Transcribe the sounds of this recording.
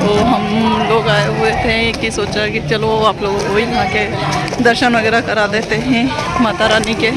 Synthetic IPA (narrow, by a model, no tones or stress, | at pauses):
t̪oːɦɐmloːɡaːeɦʊet̪ʰekisoːt͡ʃaɦɛkit͡ʃɐloaːploːɡokoːijɐɦãke | d̪əɾʃənʋəɡɛːɾakɐɾad̪eːt̪eɦɛ̃ | mat̪aɾaːnike